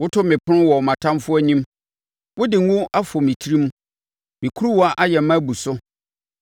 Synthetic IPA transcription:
wʊ˦tʰʊ˦mɪ̃˨pʰʊ˦ʊ̃˦wɔ˨mã˨tʰã˦mfʊ˦æ˦ɲĩ˦m | wʊ˦dɪ˨ŋ˦ũ˦ʔa˦fɔ˨mĩ˨tʰi˦ɾĩ˦m˦ | mĩ˨kʰu˦ɾu˦wɔ˦a˦ʔa˦jɛ˨˦mã˦bu˨sʊ˦

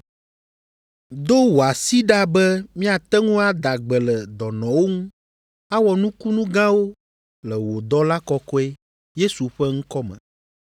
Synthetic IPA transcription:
d̪o˦wo˨a˨si˦ɖa˦bɛ˦mĩ˦a˨t̪ɛ˦ŋũ˦a˦d̪a˨ɡ͡bɛ˨lɛ˨d̪ɔ˨nɔ̃˨wo˦ŋũ˦ | a˦wɔ˨nũ˦ku˦nũ˦ɡã˦wo˦ | lɛ˨wo˨d̪ɔ˦la˦kɔ˦kɔ˦ɛ˦ | je˦su˨ɸɛ˦ŋ̩̃˦kɔ˦mɛ̰̃˨

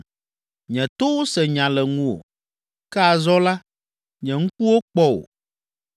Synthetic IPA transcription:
ɲɛ̃˨t̪o˦wo˦sɛ˨ɲã˨lɛ˨ŋũ˦o̰˨ | kɛ˦a˨zɔ˦la˦ | ɲɛ̃˨ŋũ˦ku˦wo˦k͡pɔ˦wo̰˨

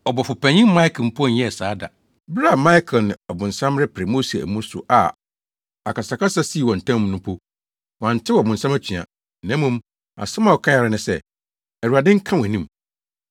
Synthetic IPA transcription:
ɔ˨bɔ˨fʊ˨pʰæ̃˨ɲĩ˦m˦mã˦i˦kʰm̩˨pʰu˦ɔ̃˦˨˦ɛ̃˦˨saː˨˦da̰˨ | bɾa˦˨mã˦i˦kʰnɪ̰̃˨ɔ˨bʊ̃˨n̩˨sã˦mɾɪ˦pʰɾɪ˨mo˦se˨æ̰˨mũ˦ɾsʊ̰˨ʔa̰˨ | a̰˨kʰa˨sa˨ka˦sa˦si˦˨wɔ̃˨n̩˨tʰã˦m̃˦˨˦nʊ̃˦pʰo˦ | wã˨n̩˨tʰɪ˦wɔ˨bʊ̃˨n̩sã˦mæ˦t͡ɕʰᶣi˨a̰˨ | nã˦mːũ˦m | a̰˨sɪ̃˦mã˦˨wɔ˨kʰã˦ja˨ɾɪ˦nɪ̃˨sɛ˦˨ | ɛ˨ɾu˨a˨dɪ̃˦ŋ̩˦kʰã˦wæ˨nĩ˦m

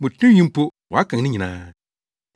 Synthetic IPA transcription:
mũ˨tʰũ˦jĩ˦m˦po˦wɔ˨a˦kʰã˨ŋ˨nɪ̃˦ɲĩ˨nã̰ː˦

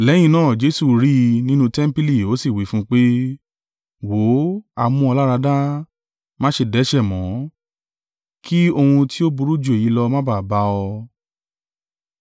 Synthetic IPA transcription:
lɛ̃˨˦ĩ˧nãː˦˨d͡ʒe˨˦su˨ɾi˦˧nĩ˦nũ˧tɛ˦m̩˦pi˦li˨o˨˦si˦˨wi˨˦fũ˦k͡pe˦ | wo˨˦a˨mũ˧ɔ˧la˦ɾa˧da˦ | mã˦ʃe˧˨dɛ˨˦ʃɛ˦˨mɔ̃˨˦ | ki˦o˧hũ˧ti˦o˦bu˧ɾu˦d͡ʒu˦˨e˨ji˨˦lɔ˧mã˦ba˦˨ba˧ɔ˧

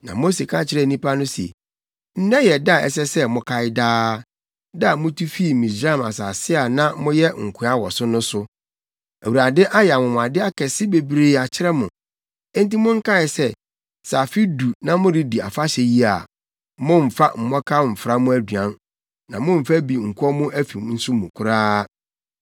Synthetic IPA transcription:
nã̰˨mo˦se˨kʰã˦t͡ɕʰɪ˦ɾɛ˦˨nĩ˦pa˦nʊ̃˦si˨ḛ˨ | n̩˦nɛ̃˦jɛ˨da˦˨ɛ̰˨s̬ɛ˦sɛ˦mʊ̃˦kʰa˦ɪ˦daː˦ | da˨mʊ̃˦tʰu˦fi˦˨mĩ˨sɾa˦a˨ma̰˨sa˨sɪ˦a˨nã˦mʊ̃˦jɛ˦ŋ̩˨kʰʊ˨a˦wɔ˨sʊ˦nʊ̃˦sʊ˦ | æ˨wu˨ɾa˨dɪ˦ʔa˦jɛ˨a˨mʊ̃˨mʊ̃˨a˨dɪ˦a˦kʰɛ˨sɪ˦be˨bɾeː˨˦a˨t͡ɕʰɪ˦ɾɛ˦mʊ̃˨ | ɛ̃˦n˦ti˦mʊ̃˦ŋ̩˦kʰa˦˨ɪ˨sɛ˦ | sa˨fi˦du˨nã˦mʊ̃˦ɾɪ˦di˨a̰˨fa˦ɕɛ˨ji˦a˨ | mʊ̃˦m̩˨fa˦m̩˨mɔ̃˦kʰa˦m̩˨fɾa˦mʊ̃˦æ˦dɥã˦n | nã˨mʊ̃˦m̩˨fæ˦bi˨ŋ̩˨kʰʷu˦ɔ˦mʊ̃˦ʔæ˦fi˨mn̩˦sʊ˦mũ˨kʰʊ˦ɾaː˦

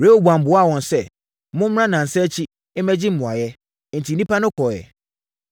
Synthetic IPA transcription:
ɾe˦wo˦˨bu˨ã˨m̩˨bʊ˨˦a˦˨wɔ̃˨n˨sɛ˦ | mʊ̃˦m˦ɾã˦nã˨n̩˨sɛ˦t͡ɕʰi˦ | e˦mæ˦d͡ʑi˦m̩˦mʊ̃˨a˨jɛ˦ | n̩˨tʰi˨nĩ˦pa˦nʊ̃˦kʰɔ˨jɛ̰˨

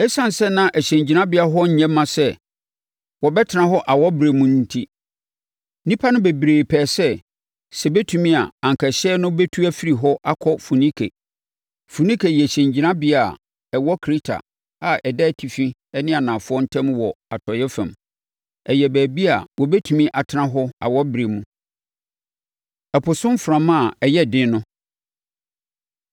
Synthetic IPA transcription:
ɛ˦sã˦n˨sɛ˦nã˦ʔæ˨ɕɛ̃˨ɲd͡ʑi˨nã˦bɪ˦a˦ɦɔ˦ɲ̩˨˦ɲɛ̃˦mã˨sɛ˦ | wɔ˨bɛ˦tʰɪ˨nã˦ɦɔ˦ʔa˨wɔ˦bɾe˨mũ˨n̩ː˦tʰi˦ | nĩ˦pʰa˦nʊ̃˦be˨bɾeː˨pʰɛː˨sɛ˦ | sɛ˨bɛ˦tʰũ˨mĩ˦a˨ã˨ŋ˨kʰɛ˨ɕɛː˦nʊ̃˦be˦tʰu˦æ˦fi˦ɾi˨ɦɔ˦ʔa˦kʰɔ˦fu˨nĩ˦kʰḛ˨ | fu˨nĩ˦kʰe˨jɛ˨ɕɛ̃˨ɲd͡ʑi˨nã˦bɪ˦a˨ | ɛ˨wɔ˦kʰɾi˦tʰa̰˨ | a˨ʔɛ˨dɛ˦˨tʰi˨fĩ˦ɛ˦nɪ̃˦a˨nã˨fʊ˦ɔ˦n̩˦tʰɛ̃˦mwɔ˨a˨tʰɔ˨jɛ˦fæ̃˨m | ɛ˨jɛ˨bæː˨bi˦a˨wɔ˨bɛ˦tʰu˨mĩ˦ʔa˨tʰɪ˦nã˦ɦɔ˦a̰˨wɔ˦bɾe˨mũ˦ | ɛ˨pʰʊ˨sʊ̃˦m˦fɾã˨mã˦˨ɛ˨jɛ˦˨dɪ̃˦nʊ̃˦

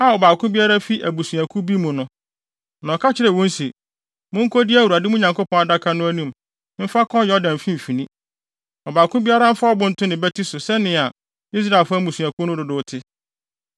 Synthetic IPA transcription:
a˦˨ɔ˨baː˨kʰʊ̃˦bi˦a˦ɾa˦fi˦ʔæ˨bu˨su˨æ˨kʰũ˦bi˦mũ˨nʊ̃˦ | nã˨kʰa˦t͡ɕʰɪ˦ɾɛ˨wɔ̃˦n˦si˨ | mʊ̃˦ŋ̩˦kʰo˦di˦æ˦˨wu˨ɾa˨dɪ˦mʊ̃˦ɲã˨ŋko˦pʰɔ̃˦na˨da˦kʰa˦nʊ̃˦æ˦nũ˦m | m̩˦fa˦kʰɔ̃˦jɛ˨˦ɔ˦dæ̃˨m˨fĩ˦m̩˨fĩ˨nĩ˦ | ɔ˨baː˨kʰʊ̃˦bi˦a˦ɾa˦m̩˦fa˦ɔ˦bʊ̃˦n̩˦tʰʊ˦nɪ̃˨bɛ˦tʰi˦sʊ˨sɛ˦nɪ̃˨a˨ | i˦s̬ɾa˨lfa˦mũ˨su˨a˨kʰu˦nʊ̃˦dʊ˨dʊ˨˦tʰɪ˦

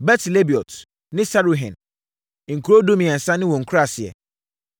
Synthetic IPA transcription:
bɛ˦tʰle˦bi˨ɔ˨t | nɪ̃˦sa˦ɾo˨ɦɛ̰̃˨n˨ | ŋ̩˨kʰu˨ɾo˦do˦mĩ˨ɛ˨n̩˨sã˦nɪ̃˦wɔ̃˨ŋ̩˨kʰu˦ɾa˦˨sɪ˨ɛ̰˨

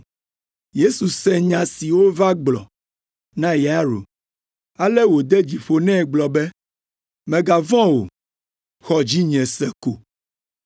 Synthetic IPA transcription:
je˦su˨sɛ˦ɲã˨si˨wo˦va˦ɡ͡blɔ̰˨ | nã˦jɛ˨a˦ɾo̰˨ | a˦lɛ˦wo˨d̪ɛ˦d͡ʑi˨ɸo˨nɛ̃˦˨ɡ͡blɔ˨bɛ˦ | mɛ̃˨ɡa˨vɔ̃˦wo̰˨ | xɔ˦d͡ʑi˦ɲɛ̃˨sɛ˨ko˨

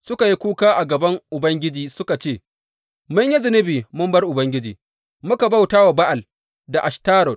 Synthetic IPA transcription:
sʊ˦ka˨ji˦kʷuː˦kaː˦ʔa˨ɡɐ˨bɐ˦ŋʔʊ˨bɐ˦ŋɡʲɪ˦d͡ʒiː˦sʊ˦ka˨t͡ʃeː˦˨ | mʊ˦ɲji˦zɪ˨nɪ˦biː˨mʊ˦mbɐ˦rʔʊ˨bɐ˦ŋɡʲɪ˦d͡ʒḭː˨ | mʊ˦ka˨ba˦˨wtaː˦wa˨ba˦ʔa˨l | da˨ʔa˨ʃtaː˦ɾɔ˨t̚

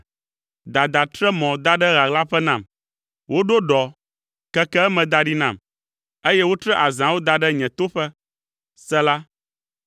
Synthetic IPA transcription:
d̪a˨d̪a˨t̪ɾɛ˦mɔ̃˨d̪a˦ɖɛ˦ɣa˨ɡla˦ɸɛ˦nã˨m | wo˦ɖo˦ɖɔ˨ | kɛ˦kɛ˦ɛ˦mɛ̃˨d̪a˨ɖi˦nã˨m | e˦jɛ˦wo˦t̪ɾɛ˦ʔa˨zã˨wo˦d̪a˨ɖɛ˦ɲɛ̃˨t̪o˦ɸɛ˦ | sɛ˦la˦

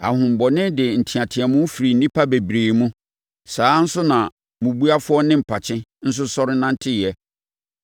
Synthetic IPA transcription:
a̰˨ɦʊ̃˨m̩˨bɔ˨nɪ̃˦dɪ˨n̩˨tʰi˨ã˨tʰɪ˨a˨mʊ̃˦fi˨ɾi˨n̩˨˦nĩ˦pʰa˦be˨bɾeː˨mũ˦ | saː˦n̩˦sʊ˦nã˨ | mũ˨bu˦a˦fʊ˦ɔ˦nɪ̃˦m̩˨pʰa˨t͡ɕʰɪ̃˦n̩˦s̬ʊ˦sɔ˦ɾɪ˦nã˦n̩˦tʰɪ˦˨ɛ˦

